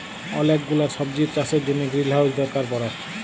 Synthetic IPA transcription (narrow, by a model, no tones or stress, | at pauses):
ɔ̰lekɡulaɾʃɔb̚d͡ʑiɾ̚t͡ɕaseɾd̪ineɡɾilɦaod͡ʑd̪ɔɾkaɾpɔɾaʃ